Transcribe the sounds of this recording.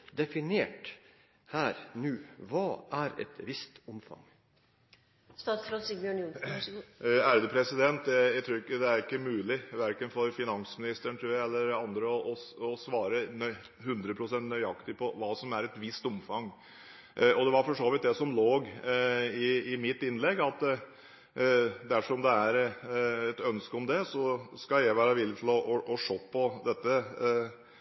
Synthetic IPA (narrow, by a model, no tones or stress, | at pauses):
d̪ɛfɪneːʈ | hæːɾnʉːʋɑːʔæɾɛ̰t̪ʋɪst̪ʊmfɑ̰ŋ | st̪ɑːsfɾɑsimɪʊnu | æɾd̪əpʰɾɛsɪd̪ɛnt̪jæɪt̪ʰɾʉːɾɪkːəd̪ɛæɾɪkːəmʉːlɪʋæɾkənfɔɾfɪnɑnsmɪnɪst̪əɳt̪ʰɾʉːɾjæɪɛlːəɾɑnd̪ɾəɔʔɔɔsʋɑːɾənœʏ | hʉnd̪ɾəpʰɾʊsɛnt̪nœʏɑkt̪ɪpʰɔʋɑːsɔmæɾɛt̪ʋɪst̪ʊmfɑŋː | ʔɔd̪ɛʋɑɾfɔʂoːʋɪt̪̚d̪ɛsɔmloːɡ | ɪɪmɪt̪ːɪnːlɛɡːɑt̪ | d̪æʂɔɔmd̪ɛæɾɛt̪œnskəɔmd̪ɛsɔskɑljæʋæːɾɑʋɪlːɪt̪ʰɪlɔʔɔʔɔʂoːpʰːɔd̪ɛt̪ːə